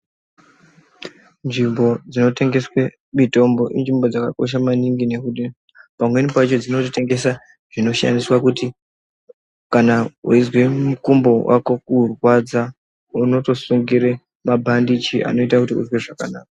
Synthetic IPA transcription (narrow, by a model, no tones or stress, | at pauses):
nʐimbo̞d͡zino̞te̞ŋɡe̞swe | mito̞mbo̞ʔinʐimbo̞d͡zakako̞̰ʃ̬amaniŋɡine̞kuti | pamwe̞nipait͡ʃo̞d͡zino̞tite̞ŋɡe̞sa | ʐ̥ino̞ʃa̰ndiswakuti | kanauizwe̞mukumbo̞wa̰ko̞kurwad͡za | uno̞to̞suŋɡiɾe | mabʱandit͡ʃiʔa̰no̞itakutiṵzweʐakanaːkḁ